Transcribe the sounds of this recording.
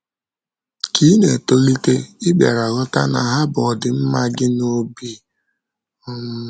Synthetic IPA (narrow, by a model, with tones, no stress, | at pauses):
ki˦ne˨to˦li˦te˦ɪ˦ɡ͡be˨ɾa˨ɣʊ˦ta̰˦na̰˨ɦa˦bʊ˨ɔ˨dɪ˨m̩˦ma˦ɡɪ˦no˦bi˦ | ɔ˦m̩˦